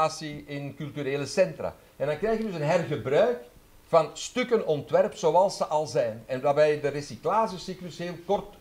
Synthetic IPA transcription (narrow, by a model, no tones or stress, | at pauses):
aːsiɪnkʏlˠtyɾeːləsɛntra̰ | ɛndɑŋkrɛjxjədʏsənɦɛrɣəbrœɥk | fɑnstʏkənɔntʋɛrpsowɑlˠsəʔɑlˠzɛjnɛnʋaːrbɛjdəresiklaːʒəsiklɵsɦeːlˠkɔrt